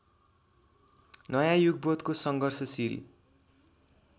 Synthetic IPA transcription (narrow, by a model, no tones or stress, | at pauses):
nʌjãjuɡ̚bʌt̪kosʌŋɡʱʌrsʌsiɾḭ